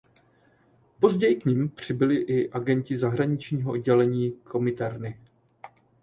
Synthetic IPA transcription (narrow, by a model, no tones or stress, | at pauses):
po̞zɟɛjɪkɲɪmpr̝̥ɪbɪlɪʔɪʔaɡɛɲcɪzaɦɾaɲɪt͡ʃɲiːɦoʔod̚ɟɛlɛɲiːkʰo̞mɪt̪ɛɾnɪ